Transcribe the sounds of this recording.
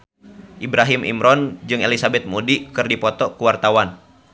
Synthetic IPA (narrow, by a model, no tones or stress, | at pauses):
ʔibɾaɦimʔḭmɾɔnd͡ʒɨŋelisabɛt̪̚mudikɨrdipɔt̪ɔkuwart̪awan